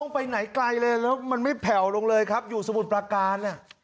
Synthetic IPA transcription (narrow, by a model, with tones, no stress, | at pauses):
ɔ˥˩ŋpa˧jna˩˦jkla˧jlɤː˧jlɛː˦˥wma˧nma˥˩jpʰɛ˨˩wlo˧ŋlɤː˧jkʰa˦˥p̚juː˨˩sa˧mu˨˩t̪̚pɾaː˧kaː˧nʔa˥˩